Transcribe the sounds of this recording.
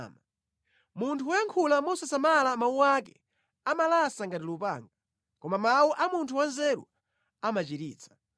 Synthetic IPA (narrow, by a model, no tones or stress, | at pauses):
ma | muntʰuɔjaŋkʰulamɔsasamalamauwakɛ̰ | amalasaŋɡatilupa̰ŋɡa | kɔmamawuʔamuntʰuwanzɛɾṵ | amat͡ʃiɾiːt͡sʰḁ